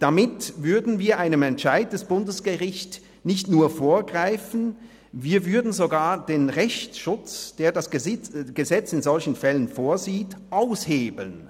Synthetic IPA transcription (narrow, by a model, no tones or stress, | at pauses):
d̥amɪtvʏɐdn̩viːɐʔaɪnəmɛntʃaɪt̚d̥ɛsb̥ʊndəsɡ̥əʁɪçt | nɪçtnuːɐfoːɐɡʁaɪfn̩ | viːɐvʏɐdn̩zoɡaːɐd̥eːnʁɛçtʃʊt͡sd̥eːɐdasəɡ̥əzɛt͡sɪnzɔlçn̩fɛlənfoːɐziːtʔaʊsheːbl̩n